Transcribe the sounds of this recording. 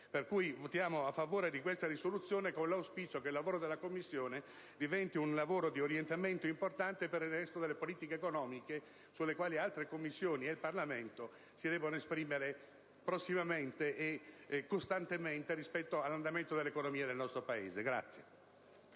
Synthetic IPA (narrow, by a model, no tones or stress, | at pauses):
perkujvot̪jaːmoafːavoːɾed̪ikwest̪aɾisolut̪sːjoːnekonlawspiːt͡ʃokeilːavoːɾod̪elːakomːisːjoːne | d̪ivɛnt̪iunlavoːɾod̪ioɾjent̪ament̪oimport̪ant̪epeɾirrɛst̪od̪elːepoliːt̪ikeːkonɔːmike | sulːekwaːlialt̪ɾekomːisːjoːnielparlament̪o | sid̪ɛːbonoespɾiːmeɾe | pɾosːimament̪eʔːkːost̪ant̪ement̪eɾispɛt̪ːoalːand̪ament̪od̪elːekonomiːad̪elnɔst̪ɾopaḛːzeɡɾa̰t̪sːje